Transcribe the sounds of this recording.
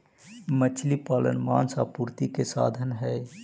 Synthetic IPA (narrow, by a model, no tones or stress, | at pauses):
mət͡ʃʰlipaːlə̰nma̰ːnsapuːɾt̪ikesa̰ːd̪ʱənɦɛ